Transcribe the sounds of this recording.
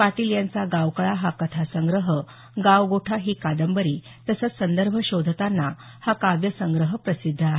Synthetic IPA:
paʈiljant͡saɡawkəɭaɦakət̪ʰasəŋɡɾəɦə | ɡaʋɡoʈʰaɦiːkad̪əmbəɾiː | t̪əsət͡ssənd̪əɾbʱəɕod̪ʱət̪anːa | hakabjəsəŋɡɾəɦəpɾəsid̪ʱːəaɦe

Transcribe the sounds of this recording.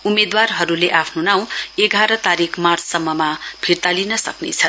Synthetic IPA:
umed̪warɦʌɾuleʔapʰnonaw̃eɡʱaɾʌt̪aɾikʰmart͡sʰsʌmːʌmab̥ʱiɾt̪alinʌsʌknḛt͡sʰʌn

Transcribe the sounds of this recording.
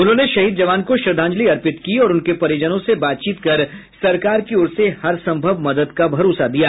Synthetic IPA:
ʊnɦõneʃɐɦiːd̪̚d͡ʒɐʋaːnkoʃɾɪd̪ʱãːɲd͡ʒliɐɾpɪt̪kiɔːɾʊnkepɐɾed͡ʒənõsebaːt̪̚t͡ʃiːt̪kɐɾsɐɾkaːɾkiʊɾsehɐɾsɐ̃mbʱəʋmɐd̪əd̪kabʱɐɾoːsad̪ijaː

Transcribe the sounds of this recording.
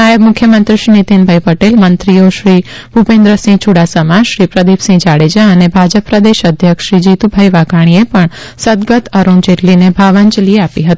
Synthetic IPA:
ajəbmʊkʰjəmənt̪ɾiʃɾinit̪inbʱajpəʈelmənt̪ɾijoʃɾi | bʱupẽnd̪ɾəsĩt͡ʃʰuɽasamãʃɾipɾəd̪ipsĩd͡ʒaɽed͡ʒaənebʱad͡ʒəpːɾəd̪eʃəd̪ʱjəkʃɾid͡ʒit̪ubʱajʋaɡʱaɽ̃iepəɳsəd̪ɡət̪əɾuɳd͡ʒeʈlinebʱaʋəɲt͡ʃlieapiɦət̪i

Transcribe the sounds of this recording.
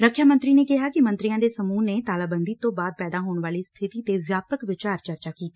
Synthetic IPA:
ɾəkʰjaːmə̃nt̪ɾiːneːkɪɦaːkɪmə̃nt̪ɾijãːd̪eːsəmuːneːt̪aːlaːbə̃nd̪iːt̪õːbaːd̪̚pɛːd̪aːɦoːɳʋaːliːst̪ʰɪt̪iːt̪eːʋjaːpəkʋɪt͡ʃaːɾt͡ʃəɾt͡ʃaːkiːt̪iː

